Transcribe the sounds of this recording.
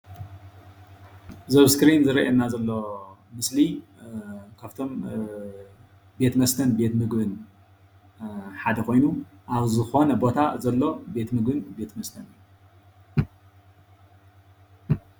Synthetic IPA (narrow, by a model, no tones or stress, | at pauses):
zɐβskɾinzɨɾɐʔenːazɐlːo̞mɨsli | kʰaβt̪ʰo̞m | be̞t̪mɐst̪ʰɐnbe̞t̪mɨɡbɨn | ħad̪ɐkʰo̞jnuʔaβzɨxo̞nɐbo̞t̪ʰazɐlːo̞be̞t̪mɨɡbɨnbe̞t̪mɐst̪ʰɐnɨjːu